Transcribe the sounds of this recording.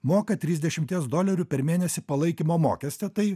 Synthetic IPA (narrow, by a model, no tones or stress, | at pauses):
moːkɐt̪ʲɾʲiːzʲd̪ʲɛʃʲɪmʲt̪ʲiɛsd̪oːlʲɛɾʲʊpʲɛɾmʲeːnʲɛsʲɪpɐlˠɐɪkʲiːmoːmo̰ːkʲɛsʲt̪ʲɛt̪ɐɪ